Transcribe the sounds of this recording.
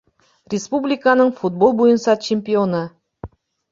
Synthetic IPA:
rʲespublʲikanəɴfut̪̚bo̞lˠbujənsɑt͡ɕʰemʲpʲionə

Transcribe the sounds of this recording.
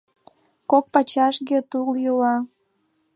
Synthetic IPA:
kok̚pɑt͡ɕɑʃɣet̪uljolɑ

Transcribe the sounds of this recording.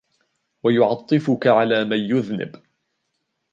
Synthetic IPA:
wajʊʕɑt̪ˤːɨfʊkaʕalaːmanjʊðnɪ̰b

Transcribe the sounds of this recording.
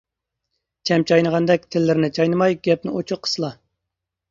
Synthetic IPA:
t͡ʃʰɛmt͡ʃʰɑjnəʁɑnd̪ɛk̚ʲt̪ʰɪlːɪɾnɪt͡ʃʰɑjnɨmɑjɡʲɛp̚nɪot͡ʃʰʊqʰːə̥slˠɑ

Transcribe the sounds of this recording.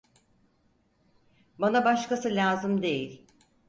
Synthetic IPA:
banabaʃkasɯlʲaːzɯmd̪e̞jilʲ

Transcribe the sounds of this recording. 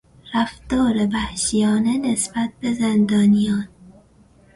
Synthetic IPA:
ɾæfd̪ɒːɾebæhʃijɒːnenesbæt̪̚bezend̪ɒːnijɒːn

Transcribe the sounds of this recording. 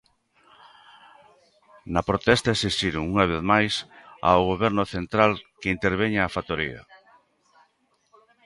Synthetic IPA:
nɐpɾot̪ɛst̪aesist̪iɾʊŋuŋaβ̞eθmajsa̰oɣoβɛɾnʊθent̪ɾalkɪint̪eɾβ̞eɲaːfat̪oɾḭɐ̰

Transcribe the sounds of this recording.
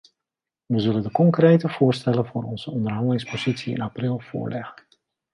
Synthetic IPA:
ʋəzɵləndəkɔŋkrejtəvʊːstɛləvʊːɾɔnz̥əɔndərɦɑndəlɪŋspozisiɪ̰naprɪlˠv̥ʊ̰ːɹlʔɛɣən

